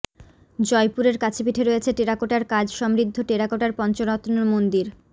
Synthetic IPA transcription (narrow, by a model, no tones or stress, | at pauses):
d͡ʑɔjpuɾeɾkat͡ɕʰepiʈʰeɾojet͡ɕʰeʈeɾakoʈaɾkad͡ʑʃɔmɾid̪ʱːoʈeɾakoʈaɾpɔnt͡ɕonɔt̪nomond̪iɾ